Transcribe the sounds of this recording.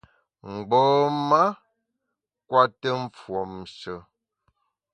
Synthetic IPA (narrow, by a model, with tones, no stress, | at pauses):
ŋ͡m̩˨ɡ͡bɔː˦ma˦ | kwa˦tə˦ɱ̩˦fwɔ˨mʃə˨